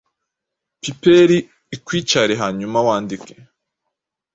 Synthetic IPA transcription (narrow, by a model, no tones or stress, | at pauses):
pipeɾiː | kwiːt͡ʃaɾeɦaːɲumawaːndike